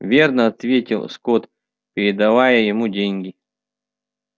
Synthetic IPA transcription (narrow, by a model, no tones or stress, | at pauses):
vʲe̞rnəɐt̪vʲetʲɪlˠskot̪ | pʲɪɾʲɪd̪ɐvajəjɪmudʲenʲɡʲɪ